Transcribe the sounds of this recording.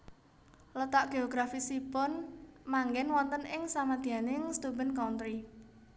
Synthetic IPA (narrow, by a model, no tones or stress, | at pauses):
lət̪aʔɡ̥eoɡ̥ɾafisipʊnmaŋɡɛnwɔnt̪ənɪŋsamad̪̥i̤ɦanɪŋst̪ubənkawnt̪ɾi